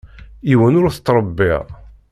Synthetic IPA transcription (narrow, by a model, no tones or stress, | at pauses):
iwənʊɾθə̥t̪ːɾˤəbːḭʁ